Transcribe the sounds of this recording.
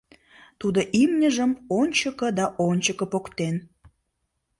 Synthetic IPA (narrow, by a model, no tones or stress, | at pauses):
t̪ud̪oʔimnʲəʒəmonʲt͡ɕəkə̆d̪ɑʔonʲt͡ɕəkəpokt̪en